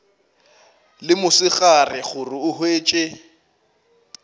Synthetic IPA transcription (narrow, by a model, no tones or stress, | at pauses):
lɪmʊsɪɣarɪχʊrɪʊhweːt͡ʃʼe